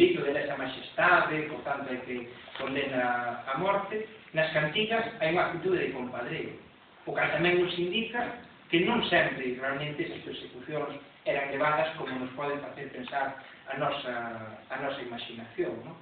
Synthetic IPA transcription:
it̪ʊðenɛsɐmaʃest̪aðɪpoɾt̪ant̪ʊekɪkond̪enɐːmɔɾt̪ɪnɐskant̪iɣɐsajuŋak̚t̪it̪uðeðɪkompaðɾeʊ̰ | ʊkat̪amɛ̃ŋnʊsind̪ikɐ | kɪnõŋsɛmpɾɪrealmẽnt̪ɪɛsɐspeɾsekuθjoŋs | ɛɾɐŋleβaðɐskomʊnospɔðeŋfaθeɾpensaɾ | ɐnɔsɐːnɔsɐimaʃinaθjoŋnõŋ

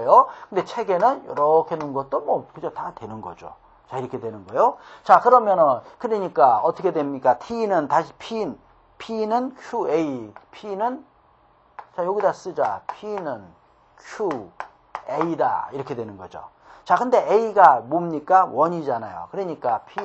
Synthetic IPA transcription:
jokʰɯnd̪e̞t͡ɕʰe̞ɡe̞nɯnjʌ̰ɾʌkʰenɯnɡʌt̚t͈omwʌkɯd͡ʑotadwe̞nɯnɡʌ̰d͡ʑo̰ | t͡ɕaiɾʌkʰedwe̞nɯnɡʌjot͡ɕakɯɾʌmjʌnʌnkɯɾiɲik͈aʌt͈ʌkʰe̞dwemɲik͈atʰinɯntaɕʰi̥pʰin | pʰinɯnkʰjueipʰinɯn | t͡ɕajoɡidas͈ɯd͡ʑa̰pʰinɯn | kʰju | eida̰iɾʌkʰe̞dwe̞nɯnɡʌd͡ʑo̰ | t͡ɕakɯnde̞ʔeiɡamomɲik͈awʌɲid͡ʑanajo̰kɯɾeɲik͈apʰi

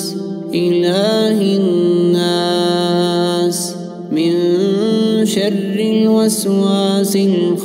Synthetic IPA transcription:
ʔɪlaːɦɪː | aː | s | mɪnn | ʃarːɪwaswaːsɪlx

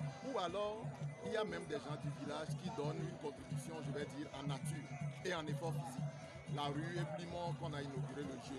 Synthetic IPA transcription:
ualɔʁilijamɛ̃md̪ɛʒɑ̃d̪yvilaʒkid̪ɔnynkɔ̃t̪χitysjɔ̃ʒəvɛd̪iːʁãnat̪yːʁeãnefɔʁfizik | laʁyeflimɔ̃kɔ̃nainoɡyʁeləʒø

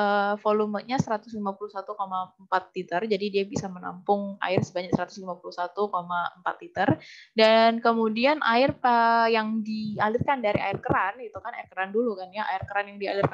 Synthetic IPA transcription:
əfolumət̪̚ɲasəɾat̪ʊslimapuluhsat̪ukomaəmpat̪̚lit̪ərd͡ʒadidiabisaməna̰mpʊŋa̰ɪrsəbaɲak̚səɾat̪ʊslimapuluhsat̪ukomaəmpat̪lit̪ərdankəmudianʔaɪrpajaŋdialɪrkandaɾiʔa̰ɪrkəɾanɡit̪ukana̰ɪrkəɾandulukanjaʔa̰ɪrkəɾanjaŋdialɪrka

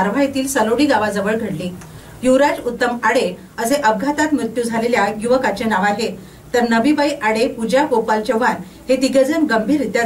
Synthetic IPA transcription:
aɾʋ̤ajt̪iːlsəloɽiːɡaʋad͡zəʋəɭɡʱəɽliː | juʋɾad͡ʑut̪ːəmaɽe | əseʔəb̚ɡʱat̪at̪mɾut̪juːd͡zʱaleljajuʋəkat͡ɕenaʋaɾɦe | t̪əɾnəbibəjʔaɽepud͡ʑjakopalt͡ɕəʋan | hed̪iɡəd͡zənɡəmbʱiːɾit̪ja

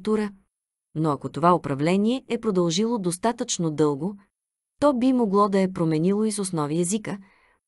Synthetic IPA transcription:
t̪uɾə | noɐkot̪ovaopɾɐvlɛnʲiɛɛpɾod̪ɐlˠʒilˠod̪ost̪at̪ət͡ʃnod̪ɤlˠɡo | t̪ɔbimoɡlˠɔd̪ɐɛpɾomɛnilˠoisosnɔviɛzikə

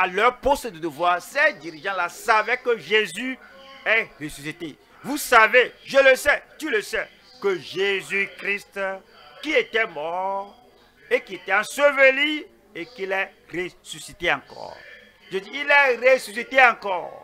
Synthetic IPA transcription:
alœʁpost̪əd̪əd̪əvwaʁsɛd̪iʁiʒɑ̃lasavɛkəʒezyɛʁesysit̪e | vusaveʒələsɛt̪yləsɛ | kəʒezykʁist̪ | kiet̪ɛmɔʁ | ekiet̪ɛɑ̃səvəli | ekilɛ | ʁesysit̪eãkɔ̰ːʁ | ʒeziilɛʁesysit̪eɑ̃kɔːʁ

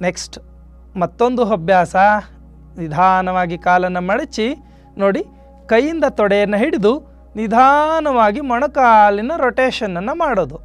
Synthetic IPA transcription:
ne̞ksʈ | mɐt̪ːond̪uɦɐbʱjaːsɐ | nid̪ʱaːnɐʋaːɡikaːlɐnːɐmɐɽit͡ʃːi | noːɽi | kɐjːind̪ɐt̪ɔɽɛjɐnːɐɦiɽid̪u | nid̪ʱaːnɐʋaːɡimɔɳɐkaːlinɐɾoʈeːʃɐnːɐnːɐmaːɽoːd̪u

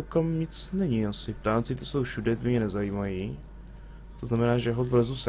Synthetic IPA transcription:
wkamɲɪt͡snɛɲɪasɪp̚t̪aːnt͡sɪt̪osowʃudɛt̪bɪmɲɛnɛzajiːmaji | t̪oznamɛnaːʒɛɦobɾɛzus

